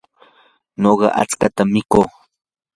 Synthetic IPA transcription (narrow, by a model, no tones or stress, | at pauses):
noɢɑ̰ʔa̰t͡skat̪amːɪkoː